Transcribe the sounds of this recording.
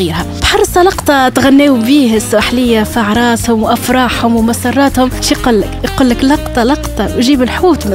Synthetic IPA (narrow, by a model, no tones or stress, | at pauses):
ɣiːɾhæ | bħɑrˤːsˤɑlɑqt̪ˤɑt̪ɣanːeːwbiːhɪsʊʔaħlɪjːafaʕɾˤɑːshʊmwʔafɾˤɑːħhʊmwmasɑrˤːɑːt̪hʊmʃiqʊlːɪkqʊlːɪklɑqt̪ˤɑlɑqt̪ˤɑwʒiːbɪlħuːt̪m